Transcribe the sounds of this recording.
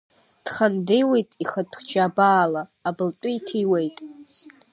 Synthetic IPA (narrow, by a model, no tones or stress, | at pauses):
d̥χandejwe̞jtʼiχatʷʰʼχd͡ʒaabaːlaːbɨltʷʼiitʰiwejtʼ